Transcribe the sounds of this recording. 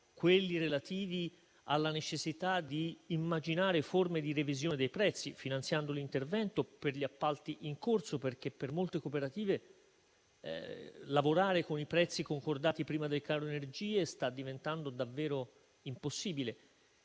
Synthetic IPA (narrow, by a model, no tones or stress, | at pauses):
kwelːiɾelat̪iːvi | a̰lːanet͡ʃesːit̪ad̪iːmːad͡ʒinaːɾeformed̪irevizjoːned̪ejpɾɛt̪sːifinant̪sjand̪olint̪ervɛnt̪operʎiapːalt̪iʔiŋkorsoperk̟epːermolt̪ekopeɾat̪iːve | lavoɾaːɾekonipɾɛt̪sːikoŋkord̪aːt̪ipɾiːmad̪elkaːɾoenerd͡ʒiːest̪ad̪ːivent̪and̪od̪avːɛːɾo | imposːiːbile